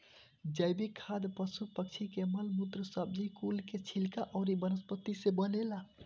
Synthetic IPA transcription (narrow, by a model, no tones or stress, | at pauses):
d͡ʒəjbikʰːad̪pəsupək̚t͡ʃʰikeməlmut̪ɾəsəb̚d͡ʒikulket͡ʃʰilkaʔɔʊɾibənəspət̪isebəlela